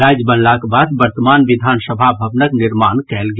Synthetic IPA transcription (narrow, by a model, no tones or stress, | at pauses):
ɾaːd͡ʒbɐ̃nlaːkbaːd̪ʋɐɾt̪əmaːnʋɪd̪ʱaːnsəbʱabʱɐʋnəknɪɾmaːnkɛːlɡ